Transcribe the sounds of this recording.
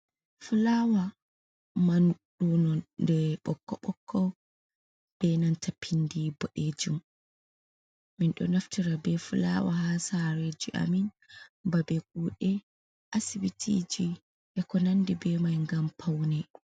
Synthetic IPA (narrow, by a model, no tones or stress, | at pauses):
fulawa | manɗunɔdɛɓɔkːɔ̰ɓɔkʰːɔ | b̥ɛnantʰapʰindibɔɗeːd͡ʒum | minɗɔ̰naftiɾabɛfula̰wahasaɾed͡ʒiʔa̰min | babɛɡ̚uːɗɛ | ʔasibitʰḭd͡ʒi | ʔɛkɔnandibɛmajŋɡampʰawnɛ